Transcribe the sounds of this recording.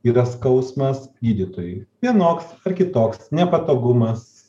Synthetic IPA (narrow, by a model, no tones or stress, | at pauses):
iːɾɐskɐʊsmɐsɡʲiːd̪ʲit̪oːjʊɪʋʲiɛnoːksɐɾkʲɪt̪oːksnʲɛpɐt̪oːɡʊmɐs